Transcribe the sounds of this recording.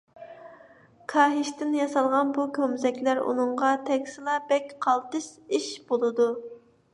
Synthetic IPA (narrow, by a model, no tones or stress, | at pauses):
kʰɑːɦɪʃt̪ɪnjɑsɑlˠʁɑnbukʲʰømzɛkʲlæɾṵnɨɴʁɑt̪ʰɛkʲsɨlˠɑbɛkʲqʰɑlˠt̪ɨʃiʃb̥olˠɨd̪u